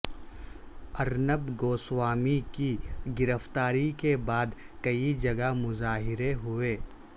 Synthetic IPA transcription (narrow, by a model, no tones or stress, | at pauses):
ɐɾnəbɡoːswaːmikiɡɪɾəft̪aːɾikebaːd̪ | kɐid͡ʒɐɡamʊzaːɦɪɾeɦʊeː